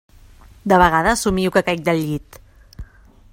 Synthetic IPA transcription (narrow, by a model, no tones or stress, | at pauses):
d̪əβ̞əɣaðəːsumiwkəkajk̚d̪əlʎit̪